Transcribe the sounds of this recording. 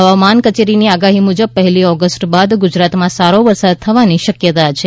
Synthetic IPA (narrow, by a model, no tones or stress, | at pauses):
əʋamankət͡ʃeɾiniaɡaɦimud͡ʒəb̚pəɦɛliɔɡəsʈbad̪ɡud͡ʒɾat̪mãsaɾoʋəɾsad̪̚t̪ʰəʋaniʃəkjət̪at͡ʃʰe